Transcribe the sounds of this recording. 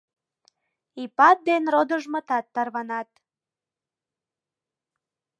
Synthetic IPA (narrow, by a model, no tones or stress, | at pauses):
ipɑt̪̚d̪enrod̪əʒmət̪ɑt̪ːɑrβɑnɑt̪̚